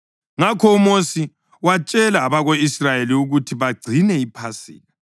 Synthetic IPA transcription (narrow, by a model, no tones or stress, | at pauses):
ŋakʰɔumosi | wat͡ʃʼɛlaːβaɣoisrajeliuɣutʰiβaɡ͡ǀʱinɛipʰasḭːni